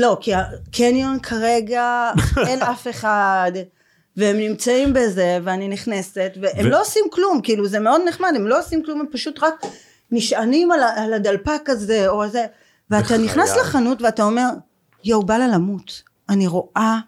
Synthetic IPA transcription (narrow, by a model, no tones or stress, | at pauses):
lo̞kiakʰenjonkʰaʁe̞ɡaenafe̞χad | veemnimt͡saimbe̞ze̞veaniniχne̞se̞tveʔemloosimklumkiiluzeme̞o̞dneχmade̞mlo̞osimklumempaʃutʁak | niʃanimalaːladalpakaze̞o̞ze | veat̪aniχnasleχanutveatao̞me̞ʁ | jowbalalamut | aniʁo̞ʔa